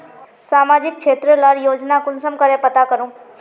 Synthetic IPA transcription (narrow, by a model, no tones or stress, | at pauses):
saːmad͡ʒɪk̚t͡ʃʰeːt̪ɾəlaɾjoːd͡ʒnakʊnsəmkəɾẽpət̪akəɾũː